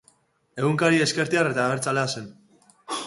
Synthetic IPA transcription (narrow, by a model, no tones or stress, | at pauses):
e̞ɣuŋkaɾieske̞ɾt̪iaɾe̞t̪aːβeɾt͡saleasen